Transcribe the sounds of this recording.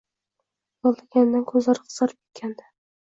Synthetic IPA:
jɒlˠd̪aɡʲand̪ankʰɵzlaɾɨqʰsɑɾɪpe̥kʲʰːand̪ɪ̥

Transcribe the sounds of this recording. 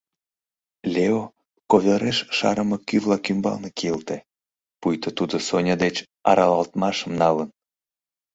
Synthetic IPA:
lʲeo | koβʲeɾeʃʃɑ̰ɾəmɤkyvlɑkymbɑ̰lnekeəlt̪e | pujt̪ət̪ud̪osonʲɑd̪et͡ɕ | ɑ̰ɾɑlɑlt̪mɑʃəmnɑlən

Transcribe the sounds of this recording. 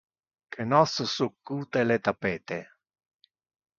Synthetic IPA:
kʰenɔssukːuːt̪elet̪apɛːt̪e

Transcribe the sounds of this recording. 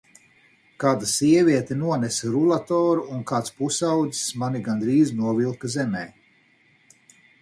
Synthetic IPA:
kaːd̪asiɛvʲiɛt̪ɛnuɔnɛsɾulˠat̪ɔːɾuunkaːt̪spusawd̪zi̥smaniɡand̪ɾiːznuɔvilˠkazɛmɛː

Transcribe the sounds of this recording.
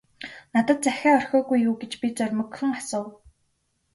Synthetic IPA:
nat̪ə̆t̪̚t͡sæxʲæːɔr̥xʲɔːɣujːuːɡet͡ɕpʲit͡sœrʲmɵ̆kxɵ̆ŋasʊːw

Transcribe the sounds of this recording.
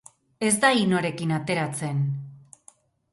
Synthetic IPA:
e̞zd̪aino̞ɾe̞kinat̪e̞ɾat͡se̞n

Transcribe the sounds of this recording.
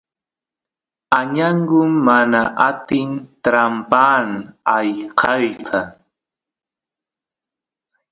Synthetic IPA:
aɲaɴɢʊmːanaʔat̪ɪnt̪ɾampaːnajqʰɑjqʰɑ

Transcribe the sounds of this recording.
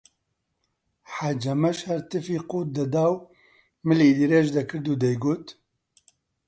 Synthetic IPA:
ħad͡ʒɐmɐʃhɛɾt̪ɨfiːquːt̪̚d̪ɐd̪aːw | mɨliːd̪iɾeːʒd̪ɐkʰɨɾd̪uːd̪ɛjɡoːt̪

